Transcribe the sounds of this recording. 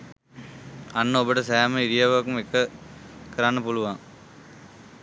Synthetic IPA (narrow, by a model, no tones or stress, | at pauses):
anːəobəʈɐsæːməiɾijaʋakumekːəkəɾanːəpuluʋaŋ